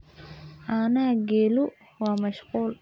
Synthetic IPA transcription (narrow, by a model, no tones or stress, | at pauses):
ʔanaɡɛːlu | wɑːmɐʃquːl